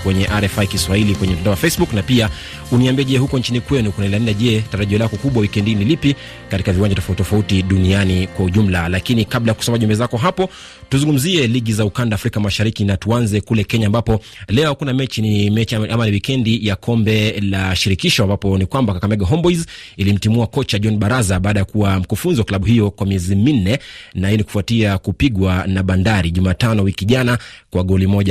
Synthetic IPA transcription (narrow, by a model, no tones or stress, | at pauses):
kwɛɲɛʔaɾɛfaikiswahilikwɛɲɛm̩tandaɔwafɛsbuknapia | uniambiɛʄɛhukɔnt͡ʃinikwɛnukunailandaʄɛtaɾaʄiɔlakɔkuɓwawikɛndinilipi | kati̥kaviwaɲd͡ʒatɔftɔfautiɗunianikwauʄum̩lalakinikaɓlajakusɔmaʄumbɛzakɔɦapɔ | tuzuŋɡum̩ziɛliɠizaukandaːfɾikamaʃaɾikinatuanzɛkulɛkɛɲaːmbapɔ | lɛɔkunamɛt͡ʃinimɛʔamaniwikɛndijakʰɔmbɛlaʃiɾikiʃɔambapɔnikwambakakamɛɡaɦɔmbɔizilim̩timuakɔt͡ʃaʄɔnɓaɾazaɓaːɗajakuwam̩kufunzwaklaɓuɦijɔkwamiɛzimin̩ɛnaiɛniku̥fuatiakupiɠwanaɓandaɾiʄumaːtanɔwikiʄanakwaɠɔlimɔʄa